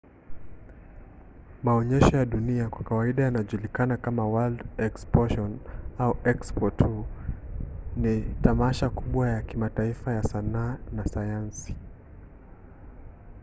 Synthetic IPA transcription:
maɔɲɛʃɔjaɗuniakwakawaiɗajanaʄulikanakamawaldɛkspɔʃɔnauɛkspɔthu | nitamaʃakuɓwajakimataifajasanaːnasajansi̥

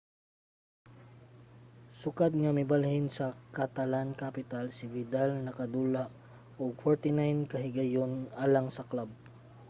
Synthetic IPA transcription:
sʊkad̪̚ŋɐmɪbalhɪnsɐkɐt̪ɐlankapɪt̪alsɪvɪd̪alnɐkɐd̪uːlaʔ | oɡ̚foɹt̪ɪnajnkɐɦɪɡɐjonaːlaŋsɐklab̚

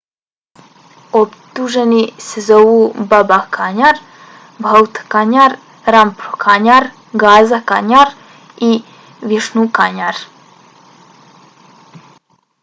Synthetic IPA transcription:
opt̪uʒenisezoːʋubabakʰaɲaɾ | bawt̪kaɲaɾ | ɾampɾokʰaɲaɾ | ɡaːzakaɲaɾ | i | ʋiʃnukaɲaɾ

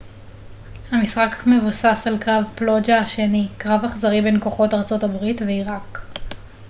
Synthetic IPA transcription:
hamisχakme̞vusasalkʁavplod͡ʒaaʃenikʁavaχzaʁibenkoχo̞taʁt͡so̞tabʁitveiʁak

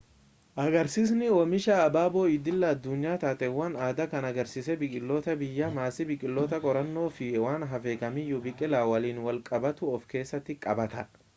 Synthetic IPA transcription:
ʔɐɡɐɾsiːs̬nɪɔmɪʃɐːbaːbo̞ːɪd̪ɪlːɐːd̪ːʊɲːaːt̪aːt̪ʼɛwːɐnaːd̪ɐkɐnɐɡɐɾsisɛbɪkʼɪlːoːt̪ɐbɪjːɐmaːsɪbɪkʼɪlːoːt̪ɐkʼɔɾɐnːo̞ːfɪwaːnɦɐfeːkɐmɪjːʊbɪkʼɪlaːwɐliːnwɐlkʼɐbɐt̪ʊɔfke̞ːsːɐt̪ːɪkʼɐbɐt̪ɐ

